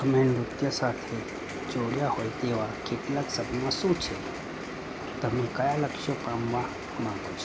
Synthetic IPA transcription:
ɐmẽnɾʊt̪jasaːt̪ʰe | d͡ʒoːɽjahoːjt̪eːʋakeʈ̪laksəbnmãsut͡ʃʰe | t̪ɐɦmẽkajalɐkʃopãːmʋa | mãːɡot͡ʃʰe̥

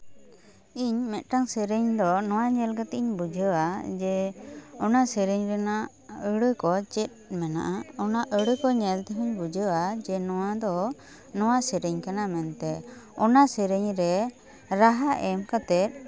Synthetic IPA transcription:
iɲmɛt̪̚ˀʈaŋsəɾəɲd̪ɔnɔwaɲɛlɡət̪ɛiɲbud͡ʒʱəwad͡ʒɛɔnasəɾəɲɾɛna | əɽəkɔt͡ʃɛt̪̚ˀmɛna̰ʔaɔnaʔəɽəkɔɲɛlt̪ɛɦiɲbud͡ʒʱəwad͡ʒɛnɔwad̪ɔ | nɔwasəɾəɲkanamɛnt̪ɛɔnasəɾəɲɾɛ | ɾaɦaʔɛmkat̪ɛt̪̚ˀ

